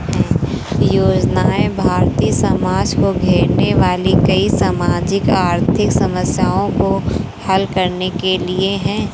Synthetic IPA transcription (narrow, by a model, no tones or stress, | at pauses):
ɦɛ̃ː | joːd͡ʒnaːebʱaːɾt̪iːsɐmaːd͡ʒkoɡʱeːɾneʋaːlikɐisaːmaːd͡ʒɪkaːɾt̪ʰɪksɐməsjaːõko | hɐlkɐɾnekelieɦɛ̃ː